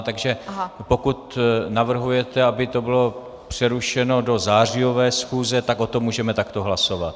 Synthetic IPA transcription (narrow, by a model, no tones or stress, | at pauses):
t̪aɡʒɛpo̞kut̪navr̩ɦujɛt̪ɛabɪt̪o̞bɪlo̞ | pr̝̥ɛɾuʃɛno̞do̞zaːr̝ɪo̞vɛːsxuːzɛt̪ako̞t̪omːuːʒɛmɛt̪akt̪o̞ɦlaso̞vat̪